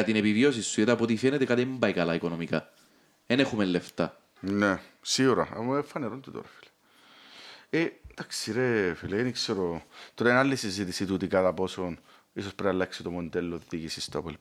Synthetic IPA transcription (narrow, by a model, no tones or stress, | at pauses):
ɐt̪ine̞pivio̞sisːujɐt̪iɐpot̪̬ifenet̪ekɐt̪imbɐjkɐlɐikonomikɐ̰ | enexumelle̞ft̪ɐ̰ | nesiuɾɐ̰ɐ̰mːefɐneɾont̪ut̪o̰ɾɐfi̥le̥ | end̪̥aksiɾefileinikseɾot̪oɾaenalːisizit̪isit̪ut̪ikɐt̪ɐpo̞son | isospɾeɐlːɐksit̪omond̪elːoðiʝisist̪oɐ̰pol